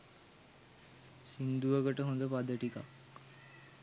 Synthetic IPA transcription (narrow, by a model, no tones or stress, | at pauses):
sind̪uʋəkəʈəɦõnd̪əpad̪ːəʈika̰k